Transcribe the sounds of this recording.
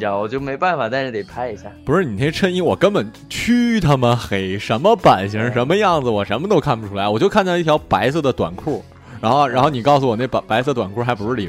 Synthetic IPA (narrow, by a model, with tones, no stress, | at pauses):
t͡ɕjɑ˧˩wɔ˨˩t͡ɕjo˥˩ʊme˧˥ɪpa˥˩nfa˨˩t̪a˥˧nʂɻ̩˥˩t̪e˨˩ɪpʰa˧˥ɪi˧˥ɕja˥˩pu˧˥ʂɻ̩˥˩ni˨˩ɛ˥ʈ͡ʂʰə˥˧ni˥˩wɔ˨˩kə˥npə˨˩˦n | t͡ɕʰy˥t̪ʰa˥mə˨xe˧˩ɪʂə˧˥nmə˧pa˨˩nɕi˧˥˧ʂə˧˥nmə˧jɑ˥˩ŋd͡zɹ̩˩wɔ˨˩ʂə˧˥nmə˧t̪o˥ʊkʰa˥˩npu˩ʈ͡ʂʰu˥la˧˥wɔ˨˩t͡ɕo˥˧kʰa˥˩nt͡ɕ̪i˥˩jɑ˧˥pa˧˥ɪs̬ɤ˥˩d̪ə˩t̪wa̰˨˩nkʰu˥˩ | ɻa˧˥nxo˥˩ʊɻa˧˥nxo˥˩ʊni˨˩kɑ˥˩ʊs̬u˩wɔ˨˩ne˥˩pa˨˩pa˧˥ɪsɤ˥˩t̪wa˨˩nkʰu˥˩xa˧˥pu˧˥ʂɻ̩˥˩li˨˩˥